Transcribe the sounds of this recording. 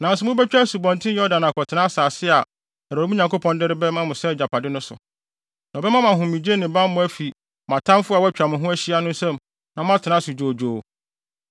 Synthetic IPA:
nã˨n˦sʊ˨mʊ̃˦bɛ˦t͡ɕᶣa˦su˨bɔ̃˨ntʰɪ̃˦jɔ˦dã˨n˨a˨kʰɔ˨tʰɪ˨nã˦saː˨sɪ˦a˨ | a˨ɾi˦mũ˦ɲã˨ŋko˦pʰɔ̃˨ndɪ˦ɾɪ˦bɛ˦mã˦mʊ̃˨sɛ˦˨d͡ʑa˨pa˨dɪ˦nʊ̃˦sʊ̰˨ | nã˨bɛ˦mã˦mã˨ɦʊ̃˨mĩ˨d͡ʑe˦nɪ̃˨bã˦mː˦ʊ̃˦æ˦fi˨ | mã˨tʰã˦m˦fʊ˦a˨wɔ˦æ˦t͡ɕᶣa˨mʊ̃˨ɦʊ̃˦æ˦ɕi˦a˦nʊ̃˦n̩˦sɛ̃˦m | nã˨m˦ã˦tʰɪ˨nã˦su˨d͡ʑoː˨d͡ʑoː˨

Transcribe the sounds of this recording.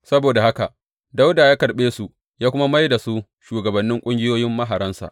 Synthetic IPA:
sɐ˦boː˨da˨ha˦ka˨ʔ | da˦wda˨jaː˦kɐ˨ɽɓeː˦su˨ʔ | jaː˦kʷʊ˦ma˦ma˦jda˨su˦ | ʃuː˨ɡɐ˨bɐ˨nːɪ˦ŋkʷʼʊ˦ŋɡʲɪ˦joː˦jɪ˦mːɐ˦ɦa˨ɾɐ˦nsa̰˨ʔ

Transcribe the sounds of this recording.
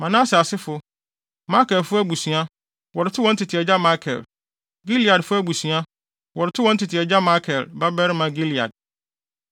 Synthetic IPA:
mã˨nã˦sɪ˨a˨sɪ˦fʊ˨ | ma˦kɛ˨lfʊ˦æ˦bu˨sũ˨a˦ | wɔ˨ɾɪ˨tʰɪ˦wɔ̃˦n̩˦tʰɪ˨tʰɪ˨ɛ˨d͡ʑa˦ma˦kʰɛ̰˨l | ɡi˦li˨a˨dfʊ˦æ˦bu˨sɥa˦ | wɔ˨ɾɪ˨tʰɪ˦wɔ̃˨˦n̩˦tʰɪ˨tʰɪ˨ɛ˨d͡ʑa˦ma˦kʰɛ˨lba˦bɛ˦ɾɪ˦mã˨ɡi˦li˨a̰˨d̚

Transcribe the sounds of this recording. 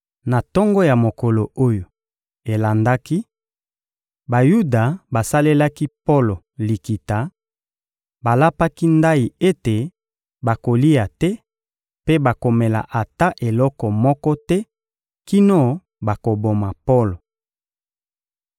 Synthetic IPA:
na˨tɔ˦ŋɡɔ˦ja˨mo˨kɔ˨lo˨o˦jo˨ | e˨la˨nda˦ki˦ | ba˨ju˦da˨ba˨sa˦le˦la˦ki˦po˦lo˨ | li˨ki˨ta˨ | ba˨la˦pa˦ki˦nda˦i˨e˦te˨ | ba˨ko˨li˦a˨tɛ˦ | pe˦ba˨ko˨me˨la̰˨ʔa˨ta˦ʔe˨lɔ˦kɔ˨mɔ˦kɔ˦tɛ˦ | ki˦no˦ | ba˨ko˨bo˨ma˨po˦lo˨

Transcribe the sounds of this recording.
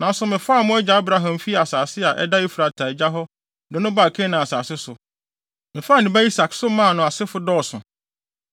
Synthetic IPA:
nã˨n˦sʊ˨mɪ̃˨fa˦˨mʊ̃˦ɛ˦d͡ʑɛ˨a˦bɾa˦ɦã˨mfi˦a˨saː˨sɪ˦a˨ʔɛ̰˦da˦i˦fu˨ɾa˨tʰa˨d͡ʑa˦ɦɔ˦ | dɛ˨nʊ̃˦ba˦˨kʰɛ̃˦nã˨a˨sa̰ː˨sɪ˦sʊ˨ | mɪ̃˨faː˦˨nɪ̃˨ba˦i˦sa˨ksʊ˦mã˦˨nʊ̃˨a˨sɪ˦fʊ˦dɔː˦˨sʊ̰̃˨

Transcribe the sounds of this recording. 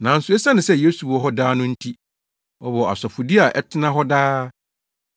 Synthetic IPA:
nã˨n̩˨sʊ˦ɛ˦sa˦nɪ̃˨sɛ˦je˦su˨wɔ˦ɦɔ˦daː˦nʊ̃˦n̩˦tʰi˦ | ɔ˦bɔ˨a̰˨sɔ˨fʊ˨di˦a˨ʔɛ˦tʰɪ˦nã˦ɦɔ˦daː˦

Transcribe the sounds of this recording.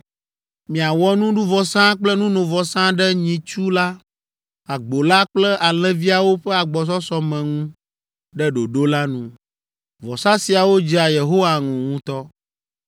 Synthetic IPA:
mĩ˨a˨wɔ˦nũ˦ɖu˦vɔ˨sã˦k͡plɛ˦nũ˦nõ˨vɔ˨sã˦ɖɛ˦ɲĩ˨t͡ʃu˦la˦ | a˨ɡ͡bo˨la˦k͡plɛ˦ʔa˨l̃ɛ̃˦vi˦a˨wo˦ɸɛ˦a˨ɡ͡bɔ˨s̬ɔ˦sɔ˦mɛ̃˨ŋũ˦ | ɖɛ˦ɖo˨ɖo˦la˦nṵ̃˦ | vɔ̰˨sã˦si˨a˨wo˦d͡ʑi˦a˨je˨ɦo˦wa˨ŋũ˨ŋũ˦t̪ɔ˦

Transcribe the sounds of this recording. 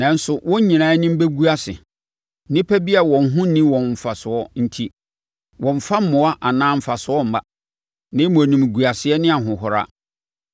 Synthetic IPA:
nã˨n̩˦sʊ˨wʔɔ̃˦ɲĩ˨nãː˨˦nɪ̃˦m̩˦be˦ɡu˦a˦sɪ̰˨˦ | nɪ̃˦pʰæ˦bi˦a˨wɔ̃˨n˦ɦʊ̃˦nĩ˦wɔ̃˨nm̩˨fa˨sʊ˨ɔ˦n̩˦tʰi˦ | wɔ̃˨m̩˨fa˦m̩˦mʊ̃˨a˦ʔa˨nãː˦m̩˦˨fa˨sʊ˨˦ɔ˦m̩˨ma̰˨ | nɪ̃˦mʊ̃˨nũ˨m˨ɡu˨a˨sɪ˨˦ɛ˦nɪ̃˦a˨ɦʊ̃˨ɦʊ˨ɾa̰˦

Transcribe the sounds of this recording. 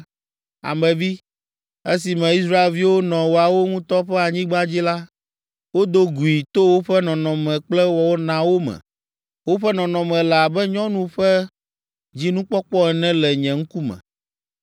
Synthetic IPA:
a̰˨mɛ̃˨vi˦ | e˦s̬i˨mɛ̃˨i˦s̬ɾa˦e˨lvi˦wo˦nɔ̃˨wo˨a˨wo˦ŋũ˦t̪ɔ˦ɸɛ˦a˨ɲĩ˦ɡ͡bã˦d͡ʑi˦la˦ | wo˦d̪o˦ɡu˨i˨t̪o˦wo˦ɸɛ˦nɔ̃˨nɔ̃˨mɛ̃˨k͡plɛ˦wɔ˨wo˦nã˨wo˦mɛ̰̃˨ | wo˦ɸɛ˦nɔ̃˨nɔ̃˨mɛ̃˨lɛ˨a˨bɛ˦ɲɔ̃˦nũ˦ɸɛ˦ | d͡ʑi˦nũ˦k͡pɔ˦k͡pɔ˦ɛ˨nɛ̃˦lɛ˨ɲɛ̃˨ŋ̩˦ku˦mɛ̰̃˨

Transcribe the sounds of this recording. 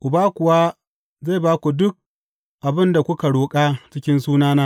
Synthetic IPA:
ʔʊ˨baː˦kʷʊ˨waː˦ | za˦˨baː˦kʷu˨dʊ˦k̚ | ʔa˨bɪ˦nda˨kʷʊ˦ka˨ɽoː˨kʼaː˦t͡ʃɪ˦kʲɪ˦nsuː˦naː˦naː˦

